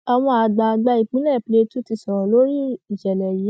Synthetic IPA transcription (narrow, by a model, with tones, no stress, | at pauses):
ɔ˧w̃ɔ̃˧a˨ɡ͡ba˨˧ɡ͡ba˧i˨k͡pĩ˨˦lɛ˦˨ple˧tu˦ti˧sɔ˨ɾɔ̃˨lo˨˦ɾi˦i˨ʃɛ˨lɛ˨ji˨˦